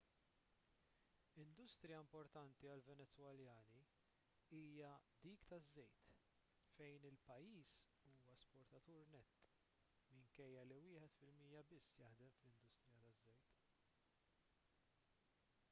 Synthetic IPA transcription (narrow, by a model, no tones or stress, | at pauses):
ɪnd̪ʊst̪ɾjɐɪmpɔɾt̪ɐnt̪iɐlvɛnɛt͡sːwɐljɐːni | iːjɐd̪iːkt̪ɐzːɛjt̪ | fɛjnɪlpɐjːiːs | uːwɐspɔɾt̪ɐt̪uːɾnɛt̪ː | mɪŋkɛjːɐliwɪːħɛt̪fɪlmijɐbɪsːjɐħd̪ɛmflɪnd̪ʊst̪ɾɪjɐt̪ɐzːɛjt̪